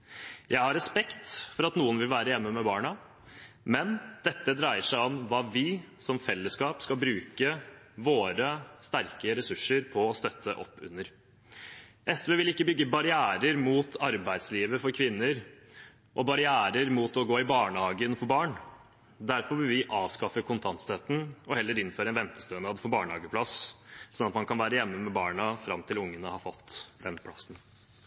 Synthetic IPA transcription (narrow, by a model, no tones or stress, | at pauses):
jʔæɪhɑɾɛspɛkt̪fɔɾɑt̪nuːənʋɪlʋæːɾəjɛmːəmɛbɑːɳɑ | mɛnd̪̥ɛt̪ːəd̪ɾæɪəʂæɪɔmʋɑːʋɪ | sɔmfɛlːəskɑːpskɑlbɾʉːkə | ʋoːɾəst̪æɾkəɾɛsʉʂːəɾpʰɔːst̪œt̪ʰːə̰ʔɔ̰pːʉ̰nːəɾ | ʔɛsʋɛːʋɪlɪkːəbʏɡːəbɑɾɪæːɾəɾmuːt̪ʰɑɾbæɪd̪sliːʋəfɔɾkʰʋɪnːəɾ | ʔɔbɑɾɪæːɾəɾmuːt̪ɔɡoːɪbɑːɳhɑːɡənfɔbɑːɳ | d̪æɾpɔʋɪlʋɪʔɑːʋskɑfəkʰʊnt̪ʰɑnt̪st̪œt̪n̩ɔhɛlːəɾɪnføːɾəɛnʋɛnt̪ə̥st̪øːnɑːd̪fɔbɑːɳhɑːɡəpʰlɑssɔnɑt̪mɑnkʰɑnʋæːɾəjɛmːəmɛbɑːɳəfɾɑmt̪ʰɪlʊŋːənəhɑfɔt̪ːd̪ɛnpʰlɑ̰sn